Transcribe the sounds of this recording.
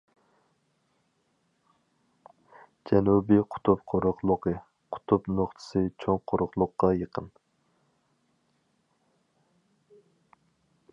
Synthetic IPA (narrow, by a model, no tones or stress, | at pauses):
d͡ʒɛnubiqʰʊ̥t̪ʰup̚qʰoɾʊχlˠʊqʰɨ | qʰʊ̥t̪ʰupnoχt̪ʰɨ̥sɨt͡ʃʰoŋqʰoɾʊχlˠʊqːɑjəqʰən